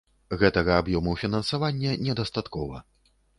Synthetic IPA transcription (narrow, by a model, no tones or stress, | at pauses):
ɣɛt̪ɐɣɐabjɔmuwfʲinɐnsavanʲːɛnʲɛd̪ast̪at̪kɔvɐ̰